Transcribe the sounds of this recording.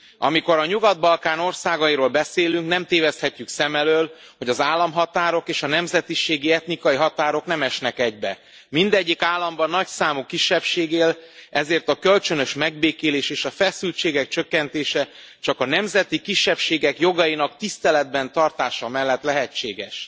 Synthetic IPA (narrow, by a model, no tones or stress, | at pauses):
ɒ̰miko̞ɾɒɲuɡɒd̪̚bɒlkaːno̞rsaːɡɒjiɾoːlbɛseːlyŋknɛmt̪eːvɛst̪hɛcːyksɛmɛløːl | ho̞ɟɒzaːlːɒmɦɒt̪aːɾo̞keːʃɒnɛmzɛt̪iʃeːɡiɛt̪nikɒjiɦɒt̪aːɾo̞knɛmɛʃnɛkɛɟbɛ̰ | mind̪ɛɟːikaːlːɒmbɒnːɒcsaːmukːiʃːɛpʃeːɡeːlɛzeːrt̪ɒkølt͡ʃønø̞ʃmɛɡbeːkeːleːʃeːʃɒfɛsylt͡ʃeːɡɛk̚t͡ʃøkːɛnt̪eːʃɛ | t͡ʃɒkɒnɛmzɛt̪ikiʃːɛpʃeːɡɛkjo̞ɡɒjinɒkt̪ist̪ɛlɛd̪̚bɛnt̪ɒrt̪aːʃɒmɛlːɛt̪lɛɦɛt͡ʃːḛːɡɛʃ